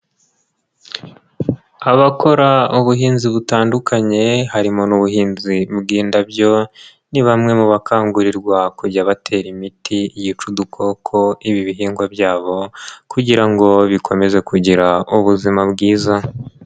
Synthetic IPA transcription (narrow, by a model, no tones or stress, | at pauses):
aβakʰo̞ɾauβuɦiːnziβutaːndukʰaɲe̞haɾimonuβuɦiːnzibɡiːndabjo̞ | niβamŋe̞muβakʰaːŋɡuɾiɾɡwakuɟaβatʰe̞ːɾimitʰijit͡ʃudukʰo̞kʰo̞iβiβiɦiːŋɡwabjaːβo̞kuɟiɾaŋɡo̞βikʰo̞me̞ze̞kʰuɟiɾauβuzimabɡiːza